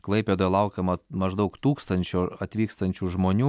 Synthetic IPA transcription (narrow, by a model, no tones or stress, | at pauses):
klˠɐɪpʲeːd̪oːjɛlˠɐʊkʲɛmɐmɐʒd̪ɐʊkt̪uːkst̪ɐnʲt͡ʃʲoːɐt̪ʲʋʲiːkst̪ɐnʲt͡ʃʲuːʒmoːnʲuː